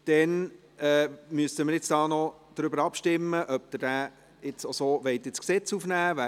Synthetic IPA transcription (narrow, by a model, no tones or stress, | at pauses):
d̥ɛn | ɛːmyəsəmɪɾjɪt͡sd̥ɑːnɔ | d̥̪ɾʏbəɾɑpʃtɪmːəʔœb̚d̪ɪrd̥æː | ɪt͡sosoːʋɛɪtɪt͡sksɛt͡sufnæːʋæ